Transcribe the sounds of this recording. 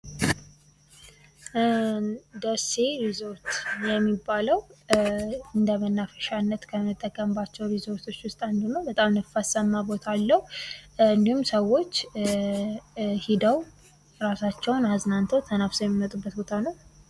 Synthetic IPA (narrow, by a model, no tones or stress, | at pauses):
d̪əseɾizo̞ɾt̪jɛmːibːaləw | ɨnd̪əmənːafəʃanːət̪kʰəmət̪ʼːəkʼːəmbat͡ʃːɛwɾizo̞ɾt̪ʰo̞t͡ʃːwʊst̪ʼand̪unəwbət̪ʼamnəfasəmːabo̞t̪ʰaaːlːəhuɨnd̪ihumsəwːo̞t͡ʃː | hid̪əw | ɾasat͡ʃːɛwnaznant̪ʰot̪ʰənafsojɛmːimət̪ʼubːət̪̚bot̪ʰanəw